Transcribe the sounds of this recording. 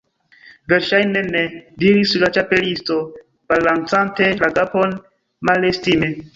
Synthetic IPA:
veɾʃajnenediɾisulat͡ʃapelisto̞ | b̥alant͡santelaɡapon | malestime

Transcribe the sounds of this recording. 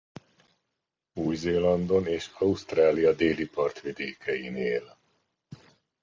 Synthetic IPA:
uːjzeːlɒnd̪o̞neːʃɒust̪raːlijɒd̪eːlipɒrt̪ʋid̪eːkʰɛjineːl

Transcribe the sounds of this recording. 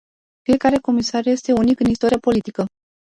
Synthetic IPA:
fije̞kaɾe̞ko̞misarje̞st̪e̞unikɨnist̪o̞ɾijapo̞lit̪ikə

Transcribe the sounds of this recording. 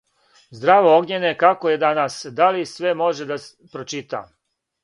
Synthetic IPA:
zd̪ɾaːʋooɡɲenekakojed̪anasd̪alisʋe̞mo̞ʒed̪a | pɾot͡ʃit̪a̰

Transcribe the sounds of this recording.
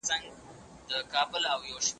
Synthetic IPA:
t͡saŋɡ | d̪əkɑːbʊlawjowʃm

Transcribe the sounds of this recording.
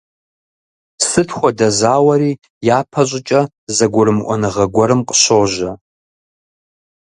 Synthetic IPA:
sɨtʰxʷɔdɐzaːwɐɾiː | jaːpʰɐɕʷʼɪt͡ʃʼɐ | zɐɡʷʊɾɨmʔʷɔnɨʁɐɡʷɔɾɨmqʼə̥ɕoːʒɐ

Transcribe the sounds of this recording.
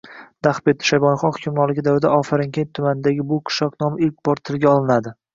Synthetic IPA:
d̪̥aχbet̪ːʃajbɒnχɒχʊkʲʰʊmɾɒlˠɪɡʲɪd̪avɾɪd̪aʔɒfaɾɪŋkʲʰent̪ʰːʊmanɪd̪aɡʲɪbʊqʰɨ̥ʃɒqnɒmɪlk̚ʲb̥ɒɾt̪ʰːɪlɡʲaɒlˠɪnad̪ɪ

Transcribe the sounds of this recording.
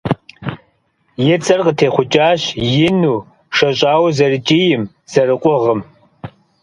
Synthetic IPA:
jɛt͡sʼɐrqətʰeːχʷʊt͡ʃʼaːɕjɪnuː | ʂɐɕʼaːwzɐrɨt͡ʃʼiːjɪm | z̥ɐrɨqʷʼɔʁəm

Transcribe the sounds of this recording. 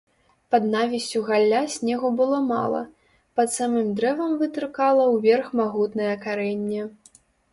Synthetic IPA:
pɐd̪navʲisʲt͡sʲuɣalʲːasʲnʲɛɣubɨlˠɔma̰lˠɐ̰ | pɐt̪samɨmd̪ɾɛvɐmvɨt̪ɾɨkalˠɐwvʲɛrxmaɣut̪nɐjɛkaɾɛnʲːɛ

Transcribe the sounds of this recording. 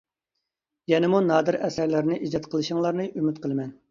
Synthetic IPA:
jɛnɪmunɑːd̪ɨɾɛsæɾlɪɾnɪʔid͡ʒt̪qʰəlˠɨʃəŋlˠɑɾnɨʔymyt̪qʰəlˠɨmɛn

